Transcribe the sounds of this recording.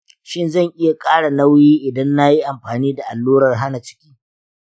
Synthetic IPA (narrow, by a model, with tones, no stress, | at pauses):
ʃɪ˦nzɐ˦˨ŋʔɪ˦ja˨kʼaː˦ɽa˨na˦wjiː˦ʔɪ˨dɐ˦nːa˦ji˦ʔa˨mɸaː˨niː˦da˨ʔa˨lːuː˦ɾɐ˨rɦa˦na˨t͡ʃɪ̥˦kʲi̥ː˦